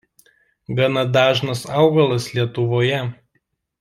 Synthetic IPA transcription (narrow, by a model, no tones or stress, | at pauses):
ɡɐnɐd̪ɑːʒnɐsɑˑʊɡɐlˠɐslʲiɛt̪ʊʋoːjɛ